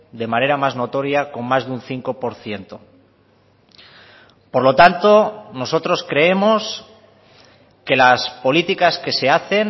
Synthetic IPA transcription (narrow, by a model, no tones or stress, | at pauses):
d̪e̞mane̞ɾamazno̞t̪o̞ɾjako̞nmazðunθiŋko̞po̞ɾθje̞nt̪o̞ | po̞ɾlo̞t̪ant̪o̞no̞so̞t̪ɾo̞skɾe̞e̞mo̞s | ke̞laspo̞lit̪ikaske̞se̞aθe̞n